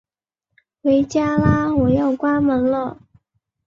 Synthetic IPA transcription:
we˨˥jt͡ɕjaː˥laː˥wɔ˨˩jɐ˥˧wkwaː˥mɐ˨˧˥nlə˥˧

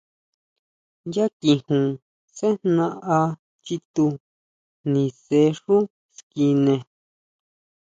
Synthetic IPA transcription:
ja˦kĩ˧hũ˨ | se˦nnã˧˦ʔa˧ | t͡ʃi˧t̪u˧ | nĩ˨se˧˦ʂũ˦ | ski˧nẽ˧

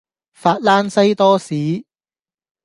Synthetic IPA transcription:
faː˧t̚laː˥nsɐ˥jt̪ɔː˥siː˨˥

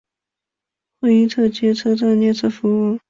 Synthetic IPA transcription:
xwe˥˧ɪi˥t͡sʰɤ˥˩t͡ɕjɛ˧˥t͡sʰɤ˥t͡sʰa˥˧njɛ˥˧t͡sʰɤ˥˩fu˧˥u˥˩

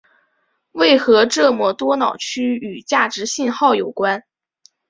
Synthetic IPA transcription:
we˥˩ɪxɤ˧˥ʈ͡ʂɤ˥˧mwɔ˥˩t̪wɔ˥nɑ˨˩ʊt͡ɕʰy˥y˨˩t͡ɕja˥˩ʈ͡ʂɻ̩˧˥ɕi˥˧nxɑ˥˩ʊjo˨˩ʊkwa˥n

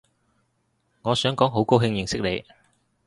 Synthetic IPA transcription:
ŋɔː˨˧sœː˨˥ŋkɔː˨˥ŋɦo˨˥wko˥wɦɪ˧ŋjɪ˨ŋsɪ˥k̚ne˨˧j

